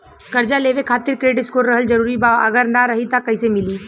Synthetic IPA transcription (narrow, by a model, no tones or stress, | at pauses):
kɐɾd͡ʒaleːʋekʰaːt̪ɪɾkɾeːɖɪskoːɾɾɐɦəld͡ʒɐɾuːɾibaːɐɡəɾnaɾɐɦit̪akɐisemɪliː